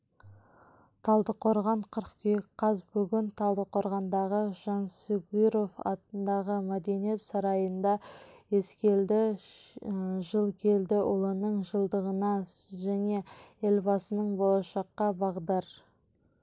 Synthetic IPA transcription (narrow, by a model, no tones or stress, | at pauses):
t̪ʰɑlˠd̪əqʰo̞ɾʁɑɴqʰəɾəqkʲʰʏjkqʰːɑzbʏɡʲɪnt̪ʰɑlˠd̪əqʰo̞ɾʁɑnd̪ɑʁəʒ̥ɑnsuɡiɾo̞fɑ̰t̪ənd̪ɑʁəmæd̪e̞nije̞t̪sɑɾɑjənd̪ɑe̞skʲe̞ld̪ɪ | ʒəlˠkʲʰe̞ld̪ɪʔʊlˠənəɴʒəlˠd̪əʁənɑʒæne̞e̞lbɑsənəɴbolˠɑʃɑqːɑbɑʁd̪ɑɾ